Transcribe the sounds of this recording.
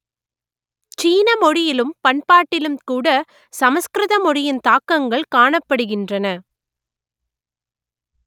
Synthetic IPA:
t͡ʃiːnɐmɔɽɪjɪlɯmpɐɳpaːʈːɪlɯmkuːɽɐ | sɐmɐskɾɪðɐmɔɽɪjɪnt̪aːkːɐŋɡɐɭkaːɳɐpːɐɽɯɣɪndrɐnɐ

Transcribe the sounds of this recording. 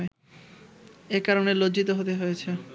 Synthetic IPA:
e | ekaɾonelod͡ʑit̪oɦot̪eɦojet͡ɕʰe

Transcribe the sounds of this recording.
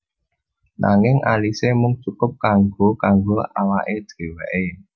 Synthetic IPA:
nʔa̰ŋɪŋalisemʊŋt͡ʃukʊp̚kaŋɡokaŋɡoa̰waʔed̥d̥ɾe̤wɛʔe

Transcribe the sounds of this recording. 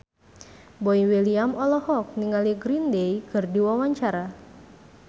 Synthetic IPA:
bɔiwiliamɔlɔhɔk̚niŋaliɡɾindejkɨrdiwawaɲt͡ʃaɾa

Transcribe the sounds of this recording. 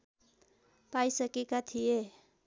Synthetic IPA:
pajsʌkekat̪ʰije

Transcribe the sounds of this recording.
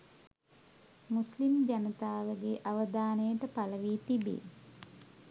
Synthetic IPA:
muslimd͡ʒanət̪aːʋəɡeʔaʋəd̪aːnəjəʈəpaləʋiːt̪ibḛː

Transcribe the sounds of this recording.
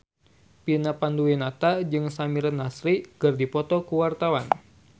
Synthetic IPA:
pinapanduinat̪ad͡ʒɨŋsamiɾənːasɾikɨrdipɔt̪ɔkuwart̪awan

